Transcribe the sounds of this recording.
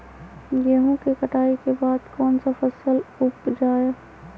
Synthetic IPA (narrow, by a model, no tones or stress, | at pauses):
jeɦõkekəʈʰaːikebaːd̪kɔːnsafɐsəlʊpd͡ʒaːja